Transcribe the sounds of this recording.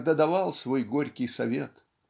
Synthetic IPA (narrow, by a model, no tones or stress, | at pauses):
d̪ɐd̪ɐvalˠsvojɡoɾʲkʲɪjsɐvʲḛt̪